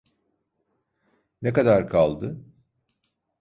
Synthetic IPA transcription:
nekad̪aɾkʰalˠd̪ɯ

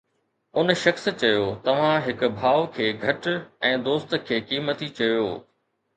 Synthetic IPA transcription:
ʊnʃɐxst͡ɕɐjot̪ɐʋ̤ãɦɪkʊ̆bʱaːʋkʰeːɡʱɐʈɛ̃ːd̪oːst̪̆kʰeːkiːmət̪it͡ɕɐjoː

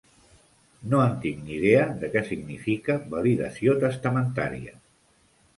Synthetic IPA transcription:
noənt̪iŋniðeəðəkɛsiɡnḭfikəβəliðə̰siot̪əst̪əmənt̪a̰ɾḭə̰

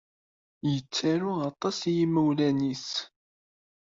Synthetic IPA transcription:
jət͡sːaɾʊɑt̪ˤːɑsjiməwlænis

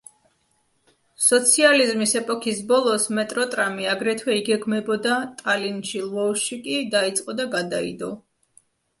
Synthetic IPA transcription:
sɔt̪sʰializmisɛpʼɔkʰisbɔlˠɔsmɛt̪ʼɾɔt̪ʼɾamiaɡɾɛt̪ʰwɛiɡɛɡmɛbɔd̪at̪ʼalint͡ʃilˠɔʃikʼid̪ait̪sʼqʼɔd̪aɡad̪aḭd̪ɔ

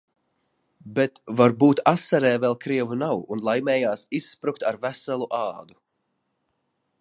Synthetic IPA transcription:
bɛt̪vaɾbuːt̪asaɾɛːvɛlˠkɾiɛvunawunlˠajmɛːjaːsisːpɾukt̪aɾvæsalˠuʔaːd̪u

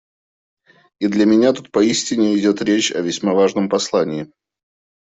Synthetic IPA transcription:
id̪lʲəmʲɪnʲat̪ut̪̚pɐisʲtʲɪnʲɪɪdʲo̞t̪ɾʲet͡ɕɐ̰vʲɪsʲmavaʐnəmpɐslˠanʲɪː

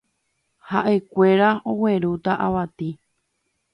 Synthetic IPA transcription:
haʔe̞kʷe̞ɾaowe̞ɾut̪aʔaʋat̪i

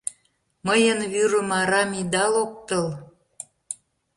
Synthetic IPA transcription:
məjənβyɾə̆mɑɾɑmid̪ɑlok̚t̪əl

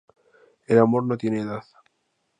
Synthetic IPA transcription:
elamo̞ɾnot̪jeneːðað

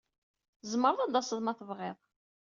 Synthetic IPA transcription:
zmːəɾˤðˤɑd̪ɑsəðˤmɑθəvʁɪðˤ

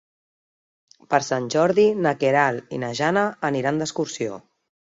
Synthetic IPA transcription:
pəɾsanʲʒɔɾðinəkeɾalḭnaʒanəːniɾand̪əskuɾsio̰

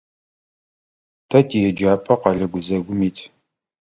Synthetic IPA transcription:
tʰɐtʰijɛd͡ʒaːpʼɐqɑɮɐɡʷʊzɐɡʷʊmiːtʰ

